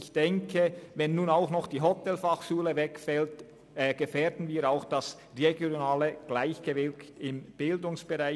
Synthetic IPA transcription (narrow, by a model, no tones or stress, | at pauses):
ɪçd̥ɛŋkʰəvɛnːuːnaʊxnɔχd̥iːɦɔtɛlfaχʃuːləvɛkfɛltː | ɡ̥əfɛːdn̩viːaʊxd̥as | ʁeɡjoonaːləɡ̥laɪçɡ̥əvɪlktɪmb̥ɪldʊŋsb̥əʁaɪ